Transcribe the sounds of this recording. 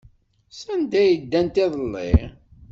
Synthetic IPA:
sænd̪æjəd̪ːænt̪ɪðˤəlːḭ

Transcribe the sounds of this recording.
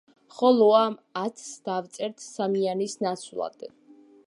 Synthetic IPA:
χɔlˠɔamat̪ʰsd̪̥avt̪sʼɛɾt̪ʰsamianisnat̪sʰlˠa̰d̪̥

